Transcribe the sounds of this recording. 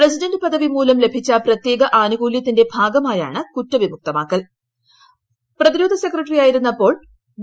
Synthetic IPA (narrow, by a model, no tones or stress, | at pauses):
pres̬idɐndɨpɐd̪ʱɐʋimuːlɐmle̞bʱit͡ɕːɐprɐt̪je̞ːɡɐʔaːnuɡuːljɐt̪ːinde̞bʱaːɡɐmaːja̰ːɳɨkutːɐʋimuk̚t̪ɐmaːkːɐl | prɐðiɾo̞ːd̪ʱɐse̞kːrɐʈːrijaːjiɾunːɐpːo̞ːɭ